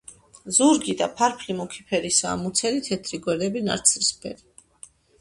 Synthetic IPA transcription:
zuɾɡid̪apʰaɾpʰlimɔkʰipʰɛɾisaːmut̪sʰɛlit̪ʰɛt̪ʰɾiɡwɛɾd̪ɛbina̰ɾt̪sʰɾispʰɛ̰ɾi

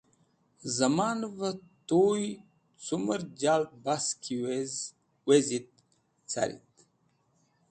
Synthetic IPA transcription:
zɐmaːnvət̪oj | t͡suməɾd͡ʑalt̪̚baskʰie | wezit̪̚ | t͡sʰa̰ɾḭt̪

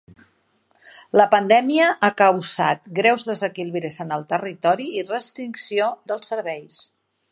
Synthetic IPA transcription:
ləpənd̪ɛmiəʔakəwza̰t̪ɡɾɛwzðəzəkilβiɾezənəlˠt̪ərit̪ɔɾiirəst̪ɾiŋksioðəlˠsəɾβɛjs

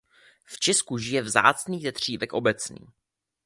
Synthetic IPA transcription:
ft͡ʃɛskuʒɪjɛvza̰ːt͡sniːzɛt̪r̝̥iːvɛkʔo̞bɛt͡snḭː

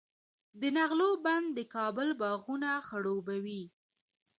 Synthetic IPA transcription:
d̪ənaɣloband̪ːəkɑbəlbɑɣunaxəɽobawi

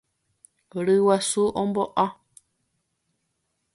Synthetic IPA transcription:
ɾɨwasuʔõmboʔa

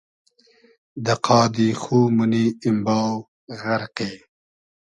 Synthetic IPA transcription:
d̪ɐqʰɑːd̪ixuːmuniimbaːw | ɣɐɾqeː

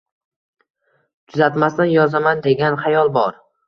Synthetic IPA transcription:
t͡ʃʰʊzat̪mast̪anjɒzamand̪e̞ɡʲanχajɒlˠbɒɾ

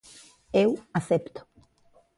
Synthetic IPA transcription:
ewaθept̪ʊ̥

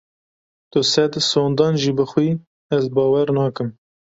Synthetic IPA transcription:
t̪ʊsɛd̪soːnd̪ɑːnʒiːbɨxʷwiː | ɛzbɑːwɛɾnɑːkɨm

